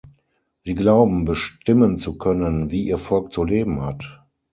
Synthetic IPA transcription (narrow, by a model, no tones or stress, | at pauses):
z̥iːɡlaʊbm̩bəʃtɪmənt͡sukʰœnənviːʔiːɐfɔlk̚t͡suleːbm̩hat